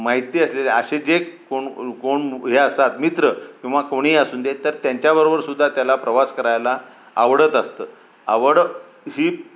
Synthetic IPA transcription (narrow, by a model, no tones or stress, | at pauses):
maɦit̪iːəsleleəɕed͡ʑekoɳkoɳɦeəst̪at̪mit̪ɾəkũʋakoɽ̃iːəsuːnd̪et̪əɾt̪jaɲt͡ɕjabəɾobəɾsud̪ʱːat̪jalapɾəʋaskəɾajlaː | ʋɽət̪əst̪əː | aʋəɽ | ɦiː